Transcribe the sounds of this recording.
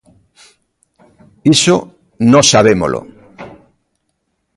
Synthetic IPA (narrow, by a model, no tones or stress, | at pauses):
iso | nõsaβemo̰lʔo̰